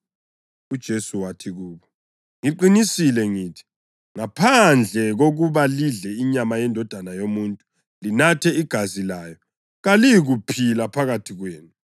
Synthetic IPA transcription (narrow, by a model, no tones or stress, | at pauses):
ud̥ʒ̥ʱesuwatʰiɣuːβɔ | ŋiǃinisilɛŋiːtʰi̥ | ŋapʰand͡ɮʱɛɣoɣuβaliɮɛiɲamajɛndʱɔd̥ʱanajomuːntʼu̥ | linatʰɛiɡ̥ʱazilaːjɔ | ɣalijɣupʰilapʰaɣatʰiɣweːnu